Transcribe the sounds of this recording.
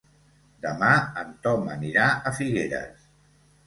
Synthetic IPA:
d̪əmaənt̪ɔməniɾaəfiɣeɾə̰s

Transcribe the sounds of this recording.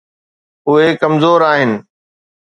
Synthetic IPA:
ʊɦekɐmzoːɾaːɦɪnɪ̆

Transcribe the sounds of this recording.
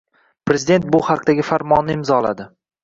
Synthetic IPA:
pɾe̞zɪd̪e̞nt̪̚bʊhɑqd̪aɡʲɪfaɾmɒnːɪɪmzɒla̰d̪ɪ

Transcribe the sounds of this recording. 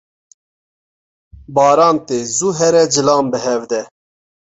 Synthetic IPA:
bɑːɾɑːnt̪eːzuːɦɛɾɛd͡ʒɨlɑːmbɨɦɛvd̪ɛ

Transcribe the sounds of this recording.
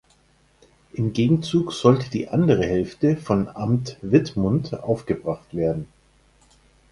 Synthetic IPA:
ʔɪmɡeːɡŋ̩t͡suːkz̥ɔltəd̥iːʔandəʁ̞əɦɛlftəfɔnʔamtv̥ɪtmʊntʔa̰ʊfɡ̥əbʁaχtv̥eːɐdn̩

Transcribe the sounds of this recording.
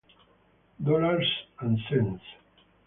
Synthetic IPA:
d̪ɔlaɾsãnsɛ̃ns

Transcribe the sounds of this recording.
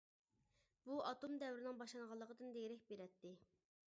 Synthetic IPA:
b̥uʔɑt̪ʰomd̪ɛwɾɪnɪŋbɑʃlˠɑŋʁɑlˠːəqəd̪ɨnd̪eɾɪk̚ʲbeɾɛt̪ːɪ

